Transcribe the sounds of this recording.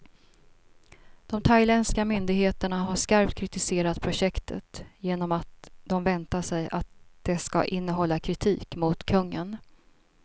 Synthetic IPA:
d̪̥ɔmt̪ʰajlɛnskamʏnd̪ɪɡɦeːt̪əɳaɦaʂkaɾpt̪̚kʰɾɪt̪ɪseːɾat̪pʰɾʊɕɛkt̪ʰə̰t̪jeːnɔmat̪̚d̪̥ɔmvɛnt̪aʂɛja̰t̪̚d̪̥ɛska̰ʔɪnːəɦɔlːakʰɾɪt̪ʰḭːkmʊt̪kʰɵŋːə̰n

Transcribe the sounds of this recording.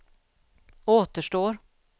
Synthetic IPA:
oːt̪əʂʈoːɾ

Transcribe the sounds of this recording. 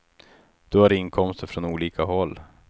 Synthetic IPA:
d̪̥ɵhaɾɪŋkʰɔmst̪əɾfɾɔnuːliːkaɦɔlː

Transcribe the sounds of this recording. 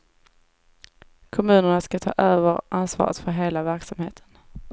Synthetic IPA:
kʰɔmʉ̟ːnəɳaskat̪ʰɑ̰ːʔøːvəɾʔansvɑ̰ːɾə̰t̪fœɾɦeːlavæɾksamhḛːt̪ʰə̥n

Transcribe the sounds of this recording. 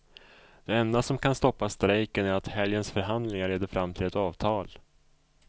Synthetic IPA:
d̪̥ɛɛnd̪asɔmkʰanst̪ɔpːast̪ɾɛjkənæɾat̪hɛljənsfœɾɦand̪lɪŋaɭeːd̪əɾfɾʔamːt̪ʰɪlɛt̪ɑːvt̪ʰɑːl

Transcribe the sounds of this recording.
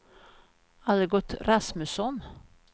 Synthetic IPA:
aləɡɔt̪ːɾasmʉsɔn

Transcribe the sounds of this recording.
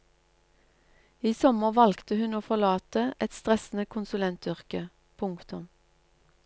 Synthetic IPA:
iːsɔməʁʋɑlkt̪əhʉnoːfɔlɑːt̪əʔɛt̪st̪ʁɛsn̩əkʰʊnsʉlɛnt̪ʏʁkə | pʰʊŋkt̪ʊm

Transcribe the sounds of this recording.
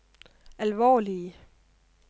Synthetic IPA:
ælʋɒ̰ːliə

